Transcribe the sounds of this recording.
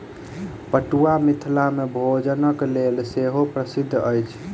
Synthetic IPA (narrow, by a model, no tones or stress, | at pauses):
pəʈuamit̪ʰlamebʱod͡ʒənəklelseɦopɾəsid̪ʱːəjt͡ʃʰ